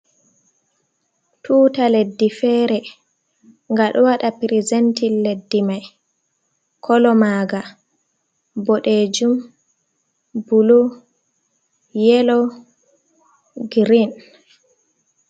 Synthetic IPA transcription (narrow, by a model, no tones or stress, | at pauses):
tʰuːtaledːifɛːɾɛ | ŋɡaɗɔwaɗapɾizɛntilːedːimaj | kʰɔlɔmaːɡa | bɔɗed͡ʒum | bulu | jɛlɔ | ɡɾin